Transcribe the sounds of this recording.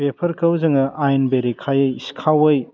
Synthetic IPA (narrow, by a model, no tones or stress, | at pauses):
pepʰɐɾkɐwzɐŋɐʔajnbeɾekʰajɯjskʰawɯj